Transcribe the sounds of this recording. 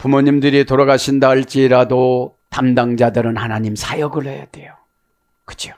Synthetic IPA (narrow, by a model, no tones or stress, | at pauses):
pumoɲimdɯɾitoɾaɡaɕʰindaɭt͡ɕ͈iɾado | tamdaŋd͡ʑadɯɾɯnhanaɲimsʰajʌɡɯɭheja̰d̥e̞jo | kɯ̥d͡ʑʰo̥